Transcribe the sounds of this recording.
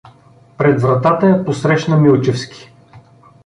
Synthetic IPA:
pɾɛd̪vɾɐt̪at̪əɐposɾɛʃnəmilˠt͡ʃɛfskʲi̥

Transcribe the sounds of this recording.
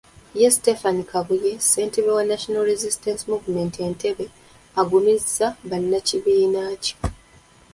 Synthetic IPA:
jestefanikʰaβuje̞se̞ːnteβewanaʃonalɾezistensimuvume̞ntie̞ntʰe̞βe̞ | aɡumizːaβanːaciβiːnaːci̥

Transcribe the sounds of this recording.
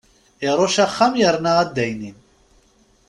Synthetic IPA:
ɛɾɔʃaχamjɛɾnaːd̪ɛjnin

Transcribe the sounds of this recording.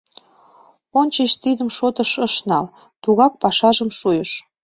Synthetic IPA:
onʲt͡ɕəʃt̪id̪əmʃot̪ə̆ʃəʃnɑl | t̪uɣɑk̚pɑʃɑʒəmʃujəʃ

